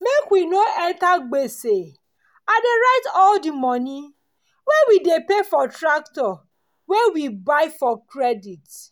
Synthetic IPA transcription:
mekwinoʔɛtaɡ͡bese | adeɾaɪtɔldimɔni | wɛwidepefɔtɾak̚tɔ | wɛwibaɪfɔkɾɛdit

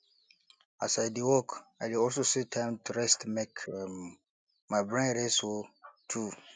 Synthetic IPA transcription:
asaɪdiwɔkaɪdiɔlsosetʰãɪ̃mtʰuɹɛstmekʰ | maɪbɹɛ̃nɾɛswotʰu

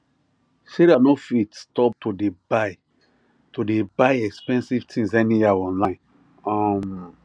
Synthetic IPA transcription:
ʃeɾanofitstɔp̚tʰodebaɪ | todebaɪɛkspɛ̃nsivtʰĩŋsɛnijɛɔ̃nlãɪ̃n | ɔm

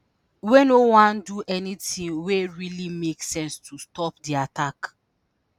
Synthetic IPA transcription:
wenowãnduʔɛnitĩnweɹilimeksɛ̃nstʰustɔpdiatak

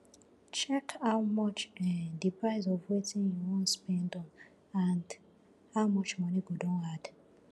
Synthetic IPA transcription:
t͡ʃɛkaʊmɔt͡ʃɛdipɾaɪzɔvwetinjuwon̩spɛndɔ̃n | and | haʊmɔt͡ʃmɔniɡodõnad

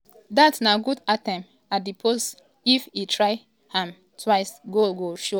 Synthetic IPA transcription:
datnaɡudatɛ̃m | adipʰos | ifitʰɹaɪ | hãm | tʰwaɪsɡoɡoʃo

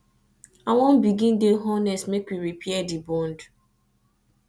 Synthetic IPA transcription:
awɔ̃mbiɡĩndeɦɔnɛsmekwiɾipʰɛɛdibɔ̃nd

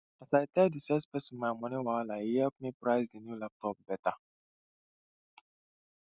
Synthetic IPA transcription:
asajtɛdisɛspɛsimajmɔ̃nɛ̃walaiɛpmĩpɾajsdinjulap̚tɔp̚bɛta

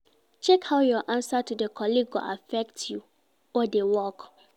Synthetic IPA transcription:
t͡ʃɛkhaʊjɔʔãnsatudəkʰɔliɡɔ̰ʔafɛk̚tju | ɔdewɔk

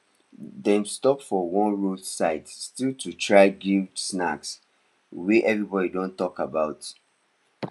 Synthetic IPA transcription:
dɛ̃mstɔpfɔwɔ̃nɹudsaɪtstiltʰutʰɹaɪɡidsnaks | wiʔɛvɹibɔdidõntɔkabaʊt

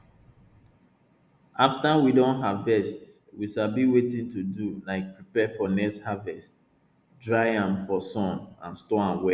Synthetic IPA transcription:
aftawidõnɦavbɛst | wiʃalbiwetĩntudulaɪk̚pɹipɛfɔnɛshavɛst | dɹaɪãmfɔsɔ̃nãnstɔãnwɛ

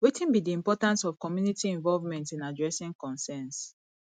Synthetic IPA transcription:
wetʰĩnbidiĩmpɔtãnsɔv̥kɔmjunitiɛ̃ɱvɔlvmɛ̃ntĩnadɹɛsĩŋkɔ̃nsɛ̃ns

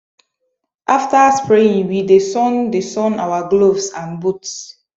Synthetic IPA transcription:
ʔaftaspɹeĩŋwidesɔ̃ndesɔ̃nawaɡlovsãnbuts

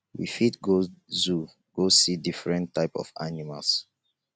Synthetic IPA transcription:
wḭfitɡozu | ɡ̥osidifɹɛ̃ntʰːaɪpɔ̰fa̰nima̰ls

